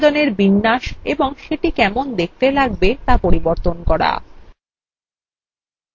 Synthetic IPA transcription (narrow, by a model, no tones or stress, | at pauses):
d̪oneɾbinːaʃeboŋʃeʈikɛmond̪ek̚t̪elaɡ̚bet̪apoɾiboɾt̪onkɔɾa̰